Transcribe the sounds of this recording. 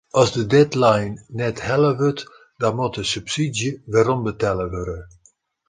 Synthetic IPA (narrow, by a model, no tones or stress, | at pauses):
ɔzdədɛtlajnnɛthɛləʋøt | dɔnmutəsypsidjəʋɛɾɔmbətɛləʋøɾə